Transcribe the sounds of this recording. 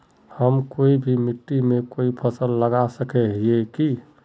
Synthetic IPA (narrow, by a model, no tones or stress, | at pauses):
həmkoibʱimiʈːimekoipʰəsəlːəɡasəkɛɦieki